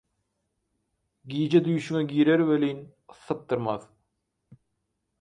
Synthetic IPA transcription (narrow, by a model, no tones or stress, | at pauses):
ɡiːd͡ʒed̪yjʃyŋæɡiːɾeɾwelin | ɯθːɯp̚t̪ɯɾmɑð